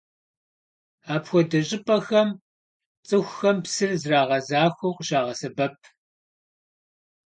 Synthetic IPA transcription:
aːpxʷɔdɐɕʼɪpʼɐxɐm | t͡sʼɨxʷxɐmpsɨrzraːʁɐzaːxʷuqʊɕaːʁɐsɐbɐp̚ʰ

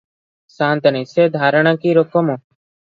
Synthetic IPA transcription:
sãːnt̪ənĩːseːd̪ʱaːɾəɳ̃ãːkiːɾokomõː

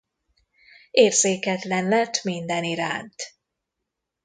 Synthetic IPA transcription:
eːrzeːkɛt̪lɛnlɛt̪mind̪ɛniɾa̰ːnt̪

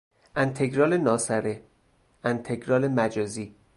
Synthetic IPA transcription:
ʔænt̪ʰeɡɾɒːlenɒːsæɾe | ænt̪ʰeɡɾɒːlemæd͡ʒɒːziː

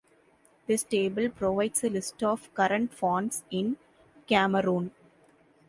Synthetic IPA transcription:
d̪̥ɪsʈeːbəlpɾoʋaɪɖsəlɪsʈɔːʋkɐɾə̃ɳʈfɔ̃ːɳsɪ̃n | kæməɾũːn

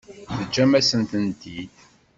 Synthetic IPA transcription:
ðəd͡ʒːæmæsənt̪ənt̪id̪

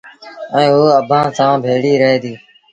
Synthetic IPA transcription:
ɛ̃ːɦoːəbʱãːsãːbʱeːɽiːɾəɦeːd̪iː

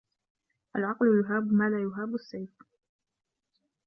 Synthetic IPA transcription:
ʔalʕɑqlʊjʊɦaːbmaːlaːjʊɦaːbʊsːajf

